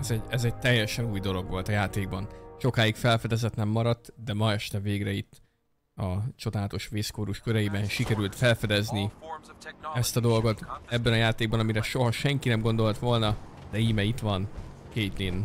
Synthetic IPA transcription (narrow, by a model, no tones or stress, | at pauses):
ɛzɛɟɛzɛɟ̚t̪ɛjːɛʃɛnuːjd̪o̞lo̞ɡʋo̞lt̪ɒjaːt̪eːɡ̚bɒnʃo̞kaːjikfɛlfɛd̪ɛzɛt̪nɛmːɒɾɒt̪ːd̪ɛmɒɛʃt̪ɛveːɡɾɛit̪ː | ɒt͡ʃo̞d̪aːlɛt̪o̞ʃʋeːskoːɾuʃkøɾɛjibɛnʃikɛɾylt̪fɛlfɛd̪ɛzni | ɛst̪ɒd̪o̞lɡo̞t̪ɛbːɛnɒjaːt̪eːɡ̚bɒnɒmiɾɛʃo̞ɦɒʃɛŋkinɛmɡo̞nd̪o̞lt̪ʋo̞lnɒd̪ɛiːmɛit̪ʋɒnkeːt̪in